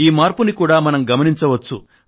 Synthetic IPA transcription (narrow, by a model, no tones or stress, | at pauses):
iːmaːɾpunikuːɽaːmɐnɐmɡɐmɐniɲt͡ʃɐʋɐt͡ʃːṵ